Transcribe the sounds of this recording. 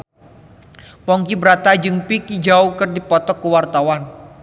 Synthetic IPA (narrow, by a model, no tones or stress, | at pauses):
pɔŋkibəɾat̪ad͡ʒɨŋpikid͡ʒaukɨrdipɔt̪ɔkːəwart̪awan